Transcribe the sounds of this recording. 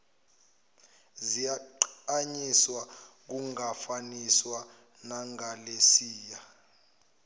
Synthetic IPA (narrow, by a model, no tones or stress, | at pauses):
zijaǃaɲiswak̬uŋafaniswa | naŋalesiːja